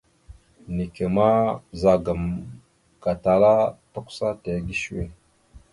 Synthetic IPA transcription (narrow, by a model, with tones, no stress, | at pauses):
ni˨ke˨ma˦za˨ɡa˨m | ka˨ta˨la˦ta˦kʷu̥˦sa˦te˨ɡi˦ʃwḛ˦˨